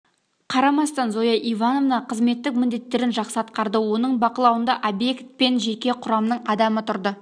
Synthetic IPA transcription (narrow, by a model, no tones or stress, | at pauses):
qʰɑɾɑmɑst̪ɑnzojɑʔijvɑno̞vnɑqʰəzme̞t̪ːɪk̚mɪnd̪e̞t̪ːe̞ɾɪnʒɑqsəɑt̪qɑɾd̪əwo̞nəɴbɑqəlˠɑwənd̪ɑʔobje̞kt̪̚pe̞nʒe̞kʲe̞qʰʊɾɑmnəɴɑd̪ɑmət̪ʰʊɾd̪ə